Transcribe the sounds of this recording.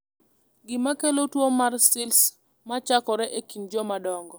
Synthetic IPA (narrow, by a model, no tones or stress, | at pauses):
ɡɪmakelotwomarsɪls | mat͡ʃakɔɾɛʔekind͡ʒɔmadɔŋɡɔ